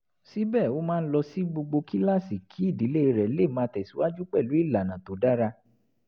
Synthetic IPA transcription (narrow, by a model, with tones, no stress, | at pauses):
si˨˦bɛ˦˨o˦mãː˦˧n̩˦lɔ˧si˦ɡ͡bo˧ɡ͡bo˧ki˦la˦˨si˨kʰi˨˦i˦˨di˨˦le˦˧ɾɛ˨le˦˨mã˧˦tɛ˨si˨˦wa˦d͡ʒu˦k͡pɛ˦˨lu˨˦i˦˨la˨nã˨to˨da˦ɾa˧